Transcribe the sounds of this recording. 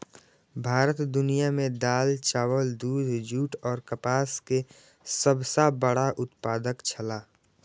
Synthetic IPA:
bʱaːɾət̪d̪ʊnijamẽd̪aːlt͡ʃaːwəld̪uːd̪ʱd͡ʒʱuːʈɔːɾkəpaːske | səbsabəɽaʔʊt̪paːd̪əkt͡ʃʰəlaː

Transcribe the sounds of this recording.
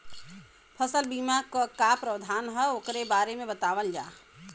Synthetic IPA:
pʰəsəlbiːmakokapɾəwd̪ʱaːnɦɛoːkɾebaːɾemẽbət̪aːʋəld͡ʒaː

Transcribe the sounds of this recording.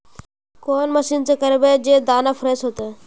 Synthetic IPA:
koːnməʃint͡ʃekəɾbed͡ʒed̪aːnafʰɾesɦot̪e

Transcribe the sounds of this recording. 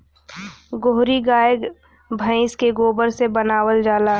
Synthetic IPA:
ɡoɦɾiɡaːjəɡ | bʱə̃ɪ̃skeɡoːbəɾsebənaːwəld͡ʒaːlaː

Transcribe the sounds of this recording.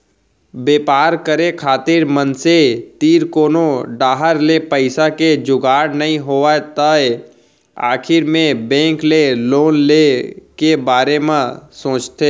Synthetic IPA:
beːpaːɾkəɾekʰaːt̪ɪɾmənset̪iːɾkoːnoɖaːɦəɾlepəɪsaked͡ʒʊɡaːɾnɐɦĩɦoːat̪əe | a̰ːkʰɪɾmẽbɛ̃ːŋkleloːnlekebaːɾemãsõːt͡ʃt̪e

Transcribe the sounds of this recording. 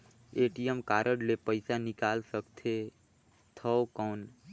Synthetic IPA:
eʈijemkaɾəɖlepəjsanikalsəkt̪ʰe | t̪ʰəokɔn

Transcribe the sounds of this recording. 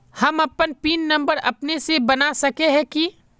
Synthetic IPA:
hɐmɐpənpiːnːɐ̃mbəɾɐ̰pnesebɐnasɐkeɦɛ̃ki

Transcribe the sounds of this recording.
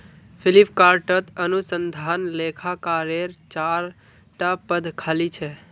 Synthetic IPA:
pʰɪlipʰkaɾʈət̪ənusənd̪ʱanlekʰakaɾeɾt͡ʃaɾ | ʈapəd̪ʱkʰalit͡ʃʰɛ

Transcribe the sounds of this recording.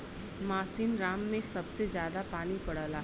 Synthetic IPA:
maːsiːnɾaːmːẽsɐbsezjaːd̪apaːnipɐɽaːlaː

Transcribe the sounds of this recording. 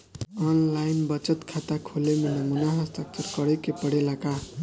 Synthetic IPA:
ʌnlajnbʌt͡sʌt̪kʰat̪akʰolemenʌmunaɦʌst̪ak̚t͡sʌrkʌɽʌkepʌɽelaka

